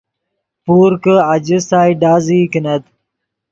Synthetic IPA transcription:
puːɾkəad͡ʑisaːjɖaːzikinɐd̪

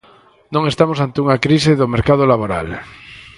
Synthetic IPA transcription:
nõŋest̪amosant̪euŋakɾis̬eðomeɾkað̞olaβoɾa̰l

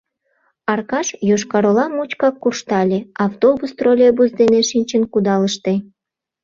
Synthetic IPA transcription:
ɑrkɑʃjoʃkɑɾolɑmut͡ɕkɑkːuʃt̪ɑlʲeɑwt̪obust̪rolʲebusd̪eneʃinʲt͡ɕənkud̪ɑləʃt̪e

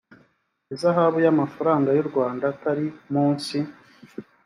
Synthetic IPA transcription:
ezaɦaβujamafaɾaːŋɡajuɾɡwaːndataɾimuːnsi

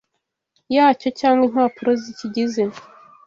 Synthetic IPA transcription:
jaːco̞caːŋɡwen̥aːpuɾoziciɟize̞

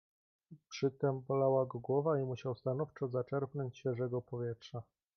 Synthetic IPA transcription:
pʂɘt̪ɛmbɔlawaɡɔɡwɔvaimuɕawst̪anɔft͡ʂɔzat͡ʂɛɾpnɔɲt͡ɕɕfʲɛʐɛɡɔpɔvʲjɛtʂa

